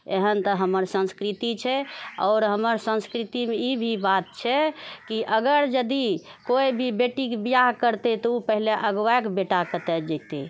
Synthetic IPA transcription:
eɦənt̪əɦəməɾsə̃nskɾit̪it͡ʃʰɛɔ̰ːɾɦəməɾsə̃nskɾit̪imeibʱibat̪̚t͡ʃʰɛkiʔəɡəɾd͡ʒəd̪ikoibʱibeʈikebijaɦkəɾt̪et̪ɔupəɦileʔəɡwaekbeʈakət̪ɛd͡ʒɛt̪ḛ

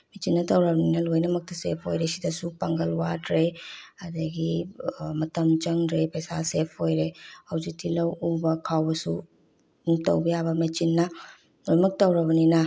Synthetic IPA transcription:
met͡ʃinːɐtɐwɾɐbɐninɐlojnɐmɐk̚tɐsepʰojɾesidɐsupaŋɡɐlwadɾeɐdɐɡimɐtɐmt͡ʃɐŋdɾepɐjsasepʰojɾehɐwzik̚tʰilɐwubɐkʰawbɐsu | umtɐwbɐjabɐmet͡ʃinːɐ | lojmɐk̚tɐwɾɐbɐninɐ

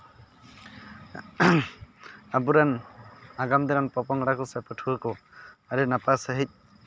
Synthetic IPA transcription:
abuɾanaɡamd̪ɛɾanpɔpɔŋɽakɔsapʰətʰuakɔaɾinapasəɦic̚

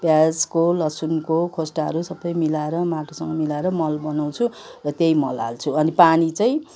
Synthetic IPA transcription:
bjad͡zkolʌsunkokʰosʈaɦʌ̰ɾusʌbʌjmilaeɾʌmaʈʰosʌŋɡʌmilaeɾʌmʌlbʌnaw̃t͡sʰu | rʌt̪jejmʌla̰lt͡sʰuʌnipanit͡sʌj̃

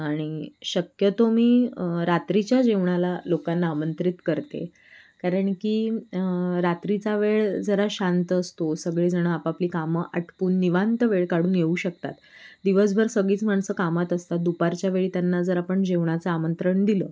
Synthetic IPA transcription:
aɽ̃iɕəkjət̪omiːɾat̪ɾit͡ɕjad͡ʑeʋɳalalokanːaːmənt̪ɾit̪kəɾt̪ḛ | kaɾəɳkiː | ɾat̪ɾit͡saʋeɭd͡zəɾaɕãnt̪əst̪osəɡɭeːd͡zəɽ̃əapapliːkaməʔaʈʰpuːnːiʋant̪əʋeɭkaɽuːnjeuːɕək̚t̪a̰t̪d̪iʋəs̬bʱəɾsəɡɭiːt͡sm̤aɳsəːkamat̪əst̪at̪̚d̪upaɾt͡ɕjaʋeɭiːt̪janːad͡zəɾapəɳd͡ʑeʋɳ̃at͡səamənt̪ɾəɳd̪iləː

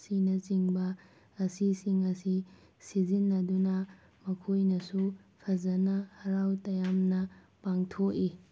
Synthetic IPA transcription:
sinɐt͡ʃiŋbɐː | sisiŋɐsi | sizinːɐdunɐ | mɐkʰojnɐsupʰɐzɐnɐhɐɾawtɐjamnɐ | paŋtʰoki

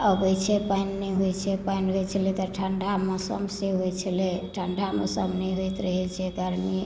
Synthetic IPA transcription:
əbət͡ʃʰɛpajnːɛɦojt͡ʃʰɛpainɦojt͡ʃʰəlet̪ɔʈʰəɳɖʱamɔsə̰mseɦojt͡ʃʰəleʈʰəɳɖʱamə̰səmnɛɦojt̪ɾəɦɛt͡ʃʰɛɡʱəɾmi

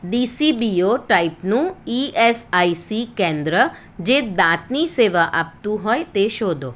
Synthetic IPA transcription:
ɖiːsiːbiːoʈaːɪpnũːiːʔeːsaːisikẽːnd̪ɾə | d͡ʒeːd̪aːt̪niseːʋaʔap̚t̪ũɦɔːet̪eʃoːd̪oː

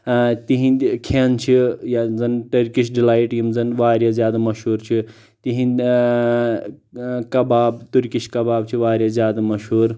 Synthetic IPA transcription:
t̪iɦĩkʰeːnt͡ʃʰijazɐnʈɐɾkiʃɖilaːjʈimzɐnʋaːɾjazjaːd̪amɐʃɦuːɾt͡ʃʰi | t̪iɦĩn | kɐbaːbt̪uɾkiʃkɐbaːb̚t͡ʃʰiʋaːɾjazʲjaːd̪amɐʃɦuːɾ

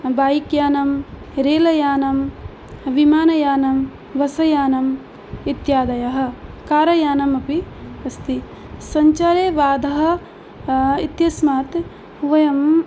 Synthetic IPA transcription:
baːjikjaːnɐm | ɾeːlɐjaːnɐm | ʋimaːnɐjaːnɐm | ʋɐsɐjaːnɐm | it̪jaːd̪ɐjɐɦɐ̆kaːɾɐjaːnɐmɐpiɐst̪i | sɐɲt͡ʃaːɾeːʋaːd̪ʱɐɦɐ̆ | it̪jɐsmaːt̪ | ʋɐjɐm

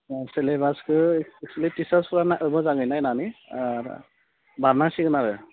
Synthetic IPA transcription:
selebaskʰɯɛkslitisaspuɾanaʔɯbɯzaŋɯjnajnania | baɾnasikɯnaɾɯ

